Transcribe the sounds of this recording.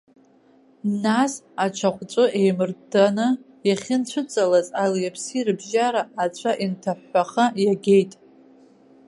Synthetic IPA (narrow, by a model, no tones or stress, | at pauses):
nas | at͡ʃʷʰaχʷt͡sʷʼʊʔejmɨrdanɨ | jaχʲɪnt͡ʃʷʰʊt͡sʼalazʼaljapʰsirɨbʒaɾaːt͡ɕʷʰaʔintʰaħːaχajaɡʲejtʼ